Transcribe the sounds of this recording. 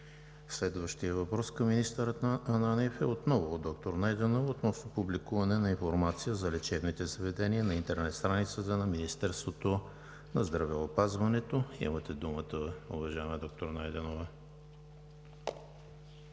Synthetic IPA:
slɛd̪vəʃt̪ijəvɐpɾɔskəmːinist̪əɾət̪ɐnanɛfɛot̪nɔvʊd̪ɔk̚t̪oɾnajd̪ɛnovot̪nɔsnɐpublikuvɐnɛnɐinfoɾmat̪sijəzɐlɛt͡ʃɛvnit̪ɛzəvɛd̪ɛniənɐint̪ɛɾnɛt̪st̪ɾanit̪sət̪ənɐminist̪ɛɾst̪vot̪o | nɐzd̪ɾɐvɛopazvɐnɛt̪oḭmət̪ɛd̪umət̪əʊ̰vɐʒaɛməd̪ɔk̚t̪oɾnajd̪ɛnovə

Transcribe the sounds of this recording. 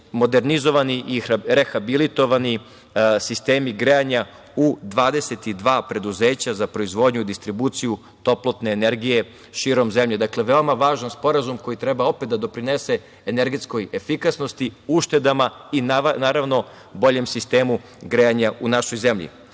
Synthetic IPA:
mo̞d̪e̞ɾnizo̞ʋaniʔiɾe̞xabilit̪o̞ʋani | sist̪e̞ːmiɡɾeaɲa | ud̪ʋaːd̪e̞set̪id̪ʋaːpɾe̞d̪uzeːt͡ɕazapɾo̞izʋo̞d̪ɲuid̪ist̪ɾibuːt̪siju | t̪o̞plˠot̪ne̞ːne̞ɾɡije̞ | ʃiːɾo̞mzemʎe̞d̪akleʋe̞o̞maʋaːʒanspo̞ɾazumko̞jit̪ɾebao̞pet̪d̪ad̪opɾine̞se̞ː | neɾɡet̪sko̞jefikasno̞st̪iuʃt̪e̞d̪amainnaːɾaʋno̞ | bo̞ʎe̞msist̪e̞ːmu | ɡɾeaɲaunaʃo̞jze̞mʎḭ

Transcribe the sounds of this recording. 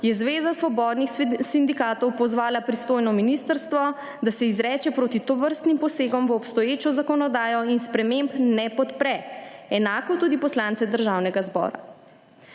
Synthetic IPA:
jɛzʋeːzasʋɔbɔːd̪nixsind̪ikaːt̪ɔwpɔzʋaːlapɾist̪ojnɔminist̪əɾst̪ʋɔ | d̪asɛizɾɛːt͡ʃɛpɾoːt̪it̪ɔʋəɾst̪nimpɔseːɡɔmʋəːpst̪ɔjeːt͡ʃɔzakɔnɔd̪aːjɔinspɾɛmembnɛpɔt̪pɾɛɛnaːkɔt̪uːd̪ipɔslant̪sɛd̪əɾʒawnɛɡazbɔ̰ːɾa̰

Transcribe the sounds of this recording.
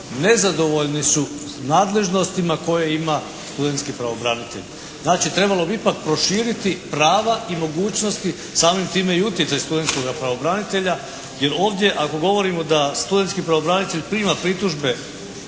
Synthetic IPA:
ne̞zad̪o̞ʋo̞ʎnisu | naːd̪le̞ʒno̞st̪imako̞jeima | st̪ud̪e̞nt̪skipɾaʋo̞bɾanit̪ḛʎ | znaːt͡ʃit̪ɾe̞balˠo̞biipak̚pɾo̞ʃiːɾit̪ipɾaːʋaʔimo̞ɡuːt͡ɕno̞st̪i | saːmimt̪iːme̞iut̪jet̪sajst̪ud̪e̞nt̪sko̞ɡapɾaʋo̞bɾanit̪e̞ʎa | je̞ɾo̞ːʋd̪je̞ʔako̞ɡo̞ʋo̞ɾimod̪ast̪ud̪ent̪skipɾaʋo̞bɾanit̪eʎʲpɾiːmapɾit̪uʒbe̞

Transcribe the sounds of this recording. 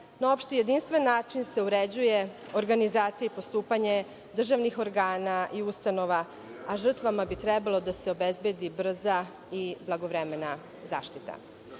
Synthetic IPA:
nao̞pʃt̪eje̞d̪inst̪ʋe̞nːaːt͡ʃinse̞uɾed͡ʑuje̞ | o̞ɾɡanizaːt̪sijeipo̞st̪uːpaɲe̞ | d̪r̩ʒaʋnixo̞ɾɡaːnaʔiust̪ano̞ʋa | aʒr̩t̪ʋamabit̪ɾɛbalˠo̞d̪ase̞o̞bezbjed̪ibr̩za | iblˠaɡo̞ʋɾeme̞na | za̰ːʃt̪it̪a̰

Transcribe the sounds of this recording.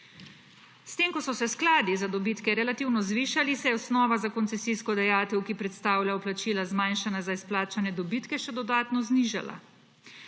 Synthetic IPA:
st̪eːmkɔsɔsɛsklaːd̪izad̪ɔbiːt̪kɛɾɛlat̪iwnɔzʋiːʃalisɛjɛɔsnɔːʋazakɔnt̪sɛsiskɔd̪ajaːt̪ɛwkipɾɛt̪st̪aːwlʲjaɔplat͡ʃiːlazmajnʃanazaisplaːt͡ʃanjɛd̪ɔbit̪kɛʃɛd̪ɔd̪aːt̪nɔzniːʒa̰la̰

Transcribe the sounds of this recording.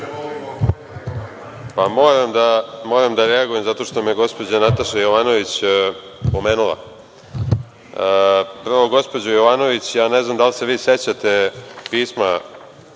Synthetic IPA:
pamo̞ːɾamd̪amo̞ɾamd̪aɾeaɡuje̞mzat̪o̞ːʂt̪o̞mejeɡo̞spo̞d͡ʑanat̪aʃajo̞ʋaːno̞ʋit͡ɕ | po̞meːnulˠa̰ | pɾ̩ʋoɡo̞spod͡ʑojoʋaːno̞ʋit͡ɕjaːneznamd̪alse̞ʋiːset͡ɕat̪e̞piːsma

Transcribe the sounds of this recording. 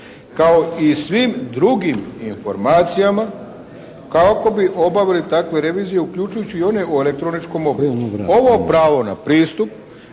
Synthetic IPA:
kao̞isʋimd̪ɾuɡiminfo̞ɾmaːt̪sijama | kaoko̞biʔo̞baʋilit̪akʋe̞ɾe̞ʋiːzije̞ukʎut͡ʃujut͡ɕiio̞ne̞oe̞le̞k̚t̪ɾo̞nit͡ʃko̞mo̞beuo̞ʋo̞pɾaːʋo̞na̰pɾiːst̪up

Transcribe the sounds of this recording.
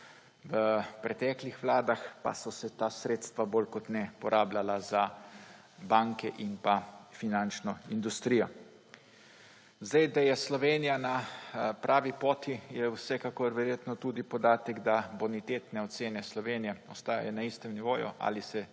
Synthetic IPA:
ʋəpɾɛt̪ɛːklixʋlaːd̪axpa̰sɔsɛt̪asɾeːt̪st̪ʋabolkɔt̪nɛpɔɾʔaːblalaza | baŋkɛʔinpafinant͡ʃnɔind̪ust̪ɾiːjɔ | zd̪ajd̪ajɛslɔʋeːnijanapɾʔaːʋipoːt̪ijɛwsɛkakoɾʋɛɾjeːt̪nɔt̪ud̪ipɔd̪aːt̪ɛɡd̪abonit̪eːt̪nɛɔt̪seːnɛslɔʋeːnijɛɔst̪aːja̰jɛnaist̪ɛmniʋoːjṵʔa̰lisɛ

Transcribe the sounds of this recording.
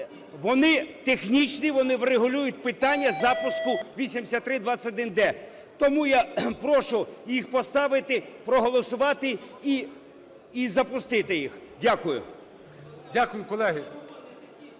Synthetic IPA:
ʋɔnɪt̪exnʲit͡ʃnʲiʋɔnɪʋreɦʊlʲujʊt̚ʲpɪt̪ɑnʲːɐzɑpʊskʊʋʲisʲimd̪ʲɪsʲat̪ːɾɪd̪ʋɑɐtʲɔd̪ɪnd̪ɛ | t̪ɔmujapɾɔʃʊjixpɔst̪ɑʋɪt̪ɪpɾɔɦɔlˠɔsʊʋɑt̪ɪi | izɐpʊst̪ɪt̪ɪjix | dʲakʊjʊ̰ | dʲakʊjʊkɔlˠɛɦɪ

